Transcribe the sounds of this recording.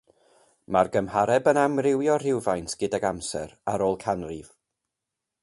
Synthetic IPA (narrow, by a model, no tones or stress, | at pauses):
marɡəmhaɾɛbənamrɪwjɔr̥ɪwvajntɡ̥ɪdaɡamsɛ̰ɾaɾoːlˠkʰanrɪv